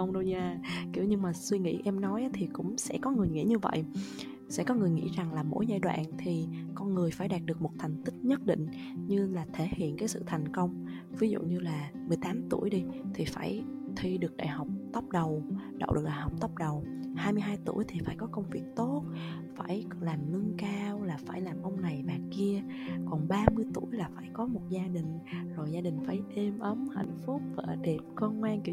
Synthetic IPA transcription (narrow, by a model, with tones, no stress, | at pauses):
ə˧wŋ͡mɗə˧wɲaː˧ki˧˩əwɲɨ˧ŋmaː˨˩swi˧ŋḭ˧˥ʔɛ˧mnɔ˨˦jʔa˨˦t̪ʰi˨˩kʊ̰˧˥ŋ͡msɛ̰˧˥kɔ˨˦ŋɨ˨˩əjŋḭ˧˥ɲɨ˧və̰˧˨jʔ | sɛ̰˧˥kɔ˨˦ŋɨ˨˩əjŋḭ˧˥za˨˩ŋlaː˨˩mo̰˧˥jza̰ː˧˨jɗwa̰ː˧˨nt̪ʰi˨˩kɔ˧nŋɨ˨˩əjfaː˧˩jɗaː˨˩t̚ɗɨ˨ək̚mo˨˩t̚t̪ʰa˨˩jŋ̟t̪ï˦˥k̚ɲə˦˥t̚ɗḭ̈˧˨ŋ̟ | ɲɨ˧laː˨˩t̪ʰe˧˩hḭ˧˨ənkaː˨˦sɨ̰˧˨t̪ʰa˨˩jŋ̟kə˧wŋ͡m | vi˨˦zṵ˧˨ɲɨ˧laː˨˩ | mɨ˨˩əjt̪aː˨˦mt̪u˧˩əjɗi˧t̪ʰi˨˩faː˧˩j | t̪ʰi˧ɗɨ˨˩ək̚ɗa̰ː˧˨jɦa˨˩wk͡p̚t̪ə˦˥p̚ɗə˨˩wɗə̰˧˨wɗ̚ɗaː˨˩ɦwk͡p̚t̪ə˦˥p̚ɗə˨˩whaː˧jmɨ˧əjɦaː˧jt̪ṵ˧˩əjt̪ʰi˨˩faː˧˩jkɔ˨˦kə˧wŋ͡mvi˨˩ək̚t̪o˦˥t̚ | faː˧˩j | laː˨˩mlɨ˧əŋkaː˧wlaː˨˩faː˧˩jlaː˨˩mʔə˧wŋ͡mna˨˩jmaː˨˩ki˧ə | kɔ˨˩nɓaː˧mɨ˧əjt̪u˧˩əjlaː˨˩faː˧˩jkɔ˨˦mo˨˩t̚zaː˧ɗï˨˩ŋ̟zo˨˩jzaː˧ɗï˨˩ŋ̟faː˧˩jɗe˧mʔə˨˦mha̰˧˨jŋ̟fʊ˦˥k͡p̚vaː˨˩ʔɗe˨˩p̚kɔ˧ŋwaː˧nki˧